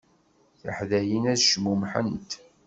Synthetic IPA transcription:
θəħðæjinæðʃmumħə̰nt̪

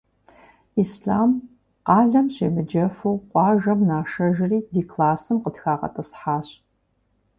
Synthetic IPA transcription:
iːsɬaːm | qɑːɮɐmɕḛːmɨd͡ʒɐfuwqʷɑːʒɐmnaːʃɐʒɪriːdiːkʰlaːsɨmqətxaːqɐ̰tʼɨsħaːɕ

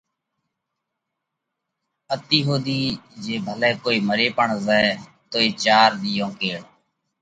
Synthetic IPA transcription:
ət̪iːɦoːd̪iːd͡ʒeːbʱəlɛːkoːiːməɾeːpəɳzəɛ | t̪oːeːt͡ʃaːɾd̪ijõːkeːɽ

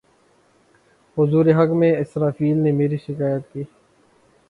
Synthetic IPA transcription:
hʊzuːɾeɦɐkmẽɪsɾaːfiːlnemeːɾiʃɪkaːjət̪kiː

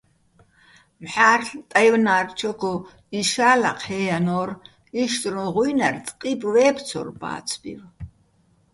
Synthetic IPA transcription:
mħaːrɬt̪ʼajwnaːrt͡ʃʰɔɡʰɔ | iʃaːlaqʰhɛːjanɔːr | iʃt̪ʼɾũʁujnart͡sʼqʼipʼvɛːpʰt͡sʰɔ̰rba̰ːt͡sʰbḭv

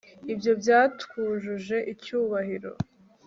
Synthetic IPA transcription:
ibjo̞bjaːtkuːnʒuʒe̞ʔicuːβahiɾo̞̰

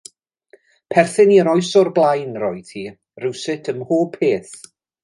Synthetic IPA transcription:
pʰɛrθɪniɾɔjsɔrblˠajnrɔɨd̥ʰiː | rɪwsɪtʰəmhoːpʰeːθ

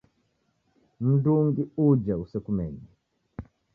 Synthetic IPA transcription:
m̩duŋɡiud͡ʒausɛkumɛɲɛ

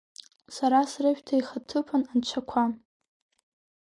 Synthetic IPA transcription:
saɾasrɨʃᶣtʰaiχatʰɨpʰanant͡ʃʷʰakʷʰa

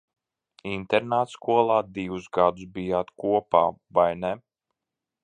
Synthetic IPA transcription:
int̪ɛɾnaːt̪skuɔlˠaːd̪iwusɡad̪usbijaːt̪kuɔpaːvajnɛ

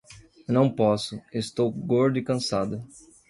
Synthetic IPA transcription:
nɐ̃w̃pɔsʊest̪owɡoɾd̪ʊikɐ̃sad̪ʊ

